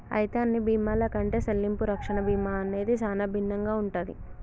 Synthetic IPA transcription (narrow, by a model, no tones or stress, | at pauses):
ɐ̰jt̪aːnːibiːmaːlɐkɐɳʈe̞ːselːimpuɾɐkʂɐɳɐbiːmaːɐne̞ːd̪it͡ʃaːnaːbʱinːɐŋɡaːuɳʈaːd̪ḭ